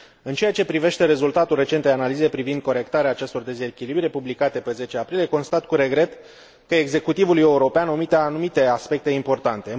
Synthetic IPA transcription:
ɨnt͡ʃe̞jat͡ʃe̞pɾive̞ʃt̪e̞ɾe̞zult̪at̪ulre̞t͡ʃet̪d̪eanalize̞pɾivind̪̚ko̞ɾe̞kt̪aɾeaːt͡ʃe̞st̪o̞rd̪e̞ze̞kʲilibɾʲiepublikat̪e̞pe̞ze̞t͡ʃeapɾilijeko̞nst̪at̪kuɾe̞ɡɾe̞t̪ | kəe̞ɡze̞kut̪ivuluje̞uɾo̞peanomit̪eanumit̪e̞aspe̞k̚t̪e̞impo̞rt̪ant̪e̞

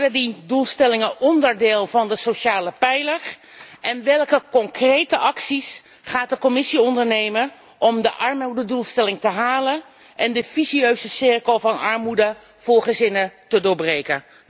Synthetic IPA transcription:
dədidulˠstɛlɪŋəʔɔndərdɪːlˠvɑndəsowʃaːləpɛjlər | ʔɛnʋɛlˠkəkɔŋkrejtəʔɑksis | χaːt̚dəkɔmɪsiɔndəɹnejmə | ʔɔmdəʔɑɹmudədulˠstɛlɪŋtəɦaːlən | ʔɛndəfisiøɥzəsɪrkəlˠvɑnɑɹmudə | v̥ʊːɹχəzɪnətədʊːɹbrejkə

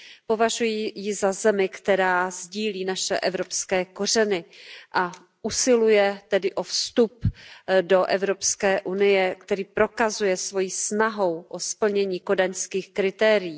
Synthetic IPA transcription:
po̞vaʒujiːjɪzazɛmɪkt̪ɛɾaːzɟiːliːnaʃɛ̰ʔɛvɾo̞pskɛːko̞rɛnɪʔa | ʔusɪlujɛt̪ɛdɪʔo̞fst̪updo̞ʔɛvɾo̞pskɛːʔunɪjɛkt̪ɛɾiːpɾo̞kazujɛsvo̞jiːsnaɦo̞wʔospl̩ɲɛɲiːko̞daɲskiːxkɾɪt̪ɛːɾɪjiː

